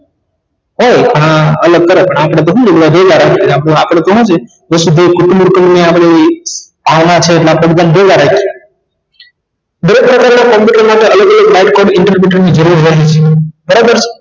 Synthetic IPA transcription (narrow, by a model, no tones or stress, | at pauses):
ɦojkãələɡ̚kəɾepəɳapɽ̃et̪̬oɦũd͡ʒebɽabeɡaɾakeapɽẽapɽ̃et̪oɦũd͡ʒe | d͡ʒəsud̪ʱekʊʈumɾkəmmẽapɽ̃epaʋnat͡ʃʰeːʈlapəd̪ɡ̪anbeɡaɾake | d̪ʱəɾek̚pɾəkaɾnakɔ̃mpiʈəɾmaʈeələɡələɡʋaɪʈ̚koɾɖɪɳʈəɾbuʈəɾnid͡ʒəɾuɾɾaɦit͡ʃʰebəɾabəɾt͡ʃʰe